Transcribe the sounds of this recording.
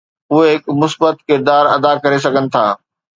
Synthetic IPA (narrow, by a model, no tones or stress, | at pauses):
ʊɦeɦɪkmʊsbət̪kɪɾd̪aːɾɐd̪akɐɾes̬ɐɡʱənɪ̆t̪ʰaː